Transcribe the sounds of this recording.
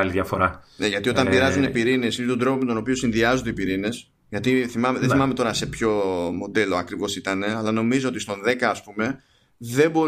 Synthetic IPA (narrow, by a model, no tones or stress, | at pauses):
ɐliðjɐfo̞ɾɐneʝɐt̪io̞t̪ɐmpiɾɐzunepiɾine̞sinet̪od̪ɾopo̞met̪o̞no̞pio̞sinðiɐzond̪eipiɾine̞s | ʝɐt̪iθimɐmeðeθimɐme̞t̪o̞ɾɐse̞pço̞mo̞d̪e̞lo̞ɐkɾivo̞sit̪ɐne̞ɐlɐno̞mizo̞o̞t̪ist̪o̞nðe̞kɐːspume̞ | ðe̞bo̞